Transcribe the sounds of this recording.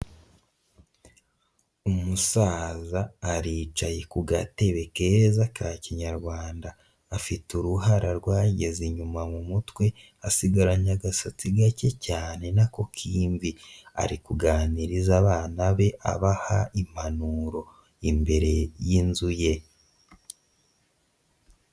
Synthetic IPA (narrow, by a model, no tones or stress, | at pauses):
umusaːzaːɾiːt͡ʃaje̞kuɡate̞βe̞ke̞ɾzakaːciɲaɾɡwaːndaː | fituɾuɦaɾʔaɾɡwaːɟe̞ziɲumamumutwe̞ | asiɡaɾaɲaɡasat͡siɡace̞caːne̞nako̞kʰiːɱvia̰ɾikuɡaːniɾizaβaːnaβe̞ʔa̰βahaʔim̥hanuɾo̞ | imbe̞ɾe̞jinzuje̞